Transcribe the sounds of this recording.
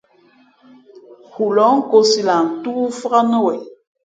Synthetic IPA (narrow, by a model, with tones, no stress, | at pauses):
hu˨lɔ˨˦ŋ̩˦ko˨˦si˨la˨n̩˨tu˦fə˦ɣa˦nə˦wɛ˨